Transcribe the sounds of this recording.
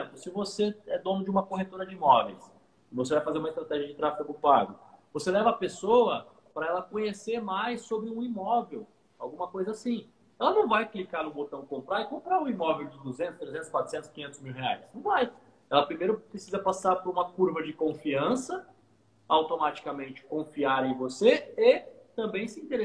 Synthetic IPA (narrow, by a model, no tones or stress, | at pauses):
plʊsɪvoseɛd̪õnʊd͡ʒɪũmɐkoɦet̪oɾɐd͡ʒɪimɔvḛjs | ɪvos̬evajfazeɾũmɐist̪ɾat̪ɛʒiɐd͡ʒɪt̪ɾafi̥kʊdʊpaɡʊvoselɛvɐːpesoɐ | pɾɐɛlɐkõɲeseɾmajsːobɾɪũimɔvew | a̰wɡũmɐkojzɐasĩ | ɛlɐnɐ̃w̃vajklikaɾnʊbot̪ɐ̃w̃kõmpɾaɾɪkõmpɾaɾʊimɔvewd͡ʒɪd̪uzẽnt̪ʊst̪ɾezẽt̪ʊ̥skwat̪ɾʊ̥sẽnt̪ʊ̥kiɲẽt̪ʊzmiwɦea̰jsnɐ̃w̃vaj | ɛlɐpɾimejɾʊpɾesizɐpasaɾpoɾũmɐkuɾvɐd͡ʒɪkõfiɐ̃sɐ | awt̪omat͡ʃi̥kamẽnt͡ʃɪ̥kõfiaɾẽj̃voseet̪ɐ̃mbẽj̃sɪĩnt̪eɾe